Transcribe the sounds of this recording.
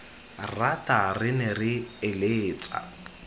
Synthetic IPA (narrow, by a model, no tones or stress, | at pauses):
ratarɪnɪrɪːleːt͡sʼa̰